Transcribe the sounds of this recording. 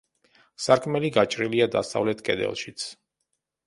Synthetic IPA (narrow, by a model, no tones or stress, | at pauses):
saɾkʰʼmɛliɡat͡ʃʼɾiliad̪asa̰vlɛt̪ʰkʼɛd̪ɛ̰lˠʃit̪sʰ